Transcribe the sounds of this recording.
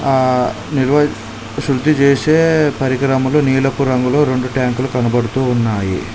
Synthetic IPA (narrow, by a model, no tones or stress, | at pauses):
niɾʋɐ | ʃɾud̪it͡ʃeːseːpɐɾikɾɐmuluniːlɐpuɾɐŋɡuloːɾe̞ɳɖuʈjaːŋkulukɐnɐbɐɽut̪uːnːaːjḭ